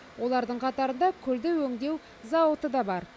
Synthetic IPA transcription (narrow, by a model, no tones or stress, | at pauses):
wʔo̞lˠɑɾd̪əɴqʰɑt̪ɑɾənd̪ɑkʲʰʏld̪ɪwɵŋd̪e̞w | zɑwət̪əd̪ɑbɑɾ